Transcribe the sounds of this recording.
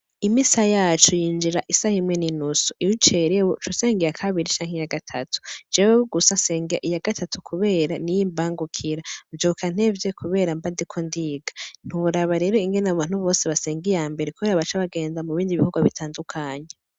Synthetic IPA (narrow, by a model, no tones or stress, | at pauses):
imisajaːt͡ʃujiːnd͡ʒiɾaʔisahimŋe̞ninusuʔiwit͡ʃe̞ɾewot͡ʃuse̞ːŋɡijakʰaβiɾit͡ʃaːŋ̥ejaɡatʰa̰tʰu̥d͡ʒeweβuɡusase̞ːŋɡiaʔijaɡatʰatʰukʰuβe̞ːɾanijimbaːŋɡukʰiɾavjokʰan̥e̞vjekʰuβe̞ːɾambadikʰondiːɡḁn̥huuɾaβaɾe̞ɾo̞iŋɡe̞naβaːn̥huβo̞ːseβase̞ːŋɡijaːmbe̞ɾekuβe̞ːɾaβat͡ʃaβaɡe̞ːndamuβiːndiβihuɡwaβitʰaːndukʰaːɲe